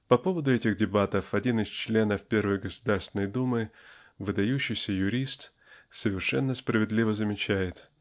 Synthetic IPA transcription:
pɐpo̞vəd̪ʊɛtʲɪɣdʲɪbat̪əfɐdʲinɪst͡ɕlʲe̞nəfpʲe̞rvəjɡəsʊd̪arst̪vɪnəjd̪umɨ | vɨd̪ɐjuɕːɪjsʲəjʊɾʲist̪ | səvʲɪrʂɛnːəspɾəvʲɪd̪lʲivəzəmʲɪt͡ɕæjɪt̪

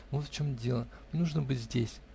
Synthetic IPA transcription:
vot̪fʲt͡ɕomdʲe̞lˠə | nuʐnəbɨtʲzʲdʲesʲ

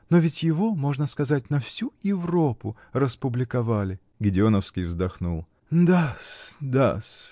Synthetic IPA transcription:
novʲɪtʲjɪvo̞mo̞ʐnəskɐzat̚ʲnɐfsʲujɪvro̞pʊ | rəspʊblʲɪkɐvalʲɪ | ɡʲɪdʲɪonəfskʲijvzd̪ɐxnulˠ | d̪asd̪as

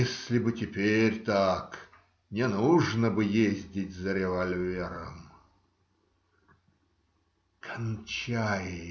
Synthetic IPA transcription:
esʲlʲɪbɨtʲɪpʲeɾʲt̪ak | nʲɪnuʐnəbɨjezʲdʲɪtʲzəɾʲɪvɐlʲvʲeɾə̰m | kʰɐnt͡ɕajɪ

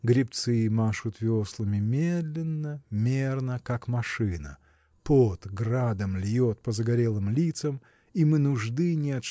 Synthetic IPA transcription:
ɡɾʲɪpt̪sɨmaʂʊt̪vʲoslˠəmʲɪmʲed̪lʲɪnːəmʲernəkakmɐʂɨnə̰ | pod̪ɡrad̪əmlʲjot̪̚pəzəɡɐɾʲelˠɨmlʲit̪səm | imɨnʊʐd̪ɨnʲɪɐt̪

